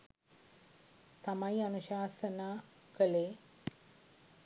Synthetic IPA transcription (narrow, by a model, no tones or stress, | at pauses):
t̪ɐmɐiɐnuʃaːsənaː | kəleː